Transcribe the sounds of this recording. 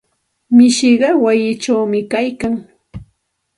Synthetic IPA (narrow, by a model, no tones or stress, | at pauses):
mɪʃɪɢɑwajɪt͡ʃawmɪkajkaŋ